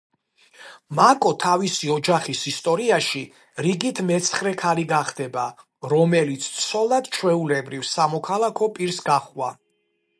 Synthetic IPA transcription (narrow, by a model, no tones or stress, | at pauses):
makʼɔt̪ʰavisiɔd͡ʒaχisist̪ʼɔɾiaʃi | ɾiɡit̪ʰmɛt̪sʰχɾɛkʰaliɡaχd̪ɛba | ɾɔmɛlit̪sʰt̪sʰɔlˠad̪̥t͡ʃʰwɛulɛbɾivsamɔkʰalˠakʰɔpʼiɾsɡaχwa